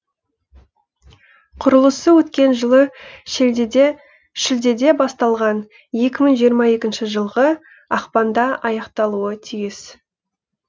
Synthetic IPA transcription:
qʰʊɾəlˠəsəwɵt̪kʲe̞nʒəlˠə | ʃɪld̪e̞d̪e̞bɑst̪ɑlˠʁɑn | je̞kʲɪməɴʒijəɾmɑe̞kʲɪnʃɪʒəlˠʁə | ɑqpɑnd̪ɑɑjɑqt̪ɑlˠuət̪ʰijɪs

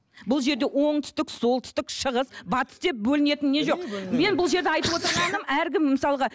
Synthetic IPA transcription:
bʊlˠʒe̞ɾd̪e̞wo̞ɴt̪ʰʏ̥st̪ɪkso̞lˠt̪ʰʏ̥st̪ɪkʃəʁəsbɑt̪ə̥sd̪e̞p̚bɵlɪne̞t̪ɪnːe̞ʒo̞me̞nbʊlˠʒe̞ɾd̪ɪɑjt̪əpwot̪əɾmɑd̪əmæɾkʲɪmːəsɑlˠəʁɑ

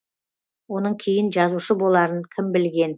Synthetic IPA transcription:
wo̞nəɴkʲʰe̞jɪnʒɑzuʃəbo̞lˠɑɾəɴkʲʰɪmbɪlɡʲe̞n

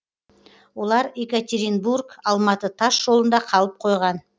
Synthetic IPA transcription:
wo̞lˠɑɾekat̪ʲeɾinburkɑlˠmɑt̪ət̪ʰɑʃʒo̞lˠənd̪ɑqʰɑlˠəp̚qʰo̞jʁɑn

